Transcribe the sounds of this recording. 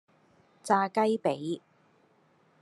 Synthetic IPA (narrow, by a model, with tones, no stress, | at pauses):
t͡saː˧kɐ˥jpe˨˥j